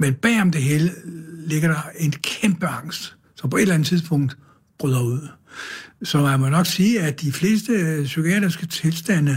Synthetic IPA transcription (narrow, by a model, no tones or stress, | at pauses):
menb̥ɛ̰ːɒ̽md̥e̝ɦeːləle̝ɡ̥ɐɾɑ̈e̝nkʰemb̥əɑ̈ŋ̰sd̥ | sɒ̽mpɒ̽e̝̥lænət͡sʰið̞ˠsb̥ʰɔ̽ŋ̰d̥ | b̥ʁyðˠɐuð̰ˠ | sɒ̽mænmɔnɒ̽ɡ̥siːæd̥ifle̝̰ːsd̥əsykʰiɛ̰d̥ʁisɡ̥ət͡sʰe̝lsd̥æn̰ə